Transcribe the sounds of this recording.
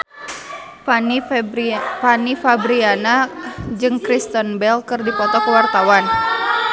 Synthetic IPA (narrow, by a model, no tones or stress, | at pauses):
fanifabɾianad͡ʒɨŋkɾist̪ɔnbɛlkɨrdipɔt̪ɔkəwart̪awan